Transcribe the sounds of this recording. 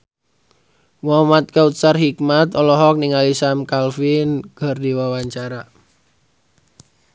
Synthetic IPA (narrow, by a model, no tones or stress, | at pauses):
wɔmat̪̚kaut̪sarhik̚mat̪ɔlɔɦɔk̚niŋalisamkalfinɡ̥ɔ̤rdiwawaɲt͡ʃaɾa